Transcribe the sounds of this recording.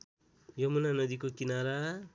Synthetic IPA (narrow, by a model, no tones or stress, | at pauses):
jʌmunanʌd̪ikokinaɾa